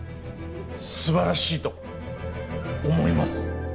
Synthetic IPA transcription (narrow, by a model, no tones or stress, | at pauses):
sɨbaɾaɕiːt̪o̞ | omo̞̰ima̰sɨ̥